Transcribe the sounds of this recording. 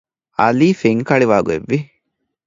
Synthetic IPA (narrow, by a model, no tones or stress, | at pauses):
ɐliːfeŋkɐɭiʋaːɡuḛʋːi